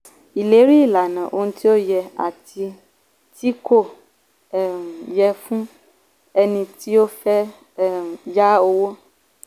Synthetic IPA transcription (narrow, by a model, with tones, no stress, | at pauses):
i˨le˨˦ɾi˦˨la˨nã˨ʔo˦nũ˦t̪i˦o˦jɛ˧a̰˨t̪i˧ | t̪i˦ko˦˨ | jɛ˦fũ˦ | e˦nĩ˧t̪i˦o˦fɛ˦ | ja˦o˦wo˦